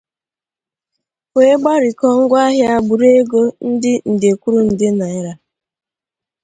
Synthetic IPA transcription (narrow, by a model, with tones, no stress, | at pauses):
kʷe˦e˦ɡ͡ba˦ɾɪ˨kɔ˦ŋ̩˦ɡʷa˦ɦja˦ɡ͡bu˨ɾe˦ɡo˦n̩˦dɪ˦n̩˨de˨kʷu˦ɾu˦n̩˨dɪ˦na˨ɪ˦ɾa˨